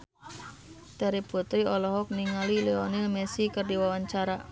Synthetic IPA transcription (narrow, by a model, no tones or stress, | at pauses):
t̪aɾibut̪ɾiɔlɔɦɔk̚niŋalileɔnimesikərdiwawaɲt͡ʃaɾa